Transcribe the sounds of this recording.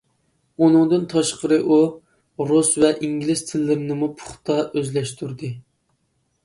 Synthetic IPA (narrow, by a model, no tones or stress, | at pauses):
unɨŋd̪ɨnt̪ʰɑʃqəɾɨʔu | ɾusvɛʔiŋɡʲilɪst̪ʰɪlːɪɾnɨmupʰʊ̥χt̪ɑøzlɛʃt̪ʰuɾd̪ɨ